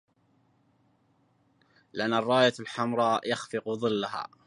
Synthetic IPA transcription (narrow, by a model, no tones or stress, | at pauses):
lɪʔanːɑrˤːɑːjalħamɾˤɑjaxfɪqðˤɨlːaɦa̰ː